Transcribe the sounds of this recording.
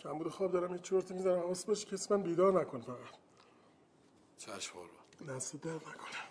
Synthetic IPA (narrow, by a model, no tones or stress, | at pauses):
cʰæmbuːd̪exɒːbd̪ɒːɾæmjet͡ʃʰoɾt̪ʰemizænæmɒsbeʃcʰesmænbiːd̪ɒːɾnækʰonfæɣæt̪ | t͡ʃʰæ̰ʃχɒ̰lnæsed̪æɾnækʰonæ̥m